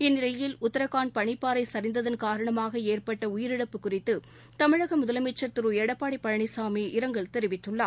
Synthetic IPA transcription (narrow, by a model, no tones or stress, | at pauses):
ɪnːɪlɐjɪlʊt̪ːɐɾɐkaːɳpɐɳɪpːaːɾɐɪsɐɾɪnd̪ɐðɐnkaːɾɐɳɐmaːɣɐeːrpɐʈːɐʊjɪɾɪɽɐpːɯkːʊrɪt̪ːɯ | t̪ɐmɪɻɐɣɐmʊðɐlɐmɪt͡ʃːɐɾt̪ɪɾuɛɽɐpːaːɽɪpːɐɻɐɳɪsaːmiʔɪɾɐŋɡɐɭt̪ɛɾɪʋɪt̪ːɯɭːaː